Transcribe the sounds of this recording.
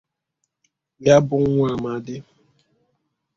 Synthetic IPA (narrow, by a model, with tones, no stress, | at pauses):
ja˦bʊ˦ŋ˦ŋʷa˦˨ma˨dɪ˦